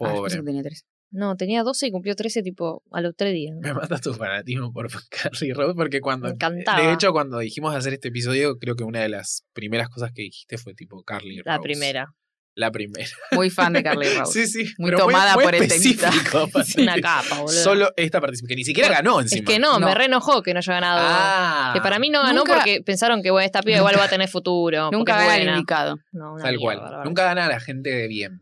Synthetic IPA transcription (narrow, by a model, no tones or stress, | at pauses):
poβɾoseket̪eiat̪ɾes | not̪e̞niaðo̞se̞ikumpljot̪ɾeset̪̬ipoa̰lot̪ɾeɦðiamemat̪at̪ufanat̪izmopoɾkʰaɾlirowspoɾkekwand̪okant̪aeet͡ʃo̞kwand̪o̞ðiximozðeas̬eɾet̪eːp̬is̬o̞ðjo̞kɾeo̞k̬eunaðe̞la̰spɾime̞ɾasko̞s̬askeðixi̥ht̪e̞fwe̞t̪ipokaɾlḭrlao̰pɾimeɾa | lapɾimeɾamujfand̪ekaɾliro̰wsisimueɾomt̪omaðamujeoɾelesifikʰosunakapaolsoloʔeht̪apaɾt̪is̬ipikenisikjeɾaɣano̞enseimenommerenoxokenoʃoɣanaðoakepaɾaminoɣanoppoɾkepensaɾoŋkeβweneht̪apiaiɣwalββat̪eneɾfut̪uɾo̞nũɾŋkeaɣaeinaikaðo̰nonaalkwala̰nũŋkaɣanaːlaxe̞nt̪eðeβjen